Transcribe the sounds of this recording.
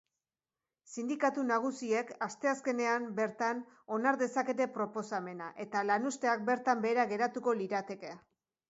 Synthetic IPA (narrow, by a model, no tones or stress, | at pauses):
sind̪ikat̪unaɣ̞usie̞kast̪e̞aske̞ne̞ambe̞ɾt̪an | o̞naɾðe̞sake̞t̪e̞pɾo̞po̞same̞naʔe̞t̪alanust̪e̞ak̚be̞ɾt̪ambe̞ːɾaɣe̞ɾat̪uko̞liɾat̪e̞kea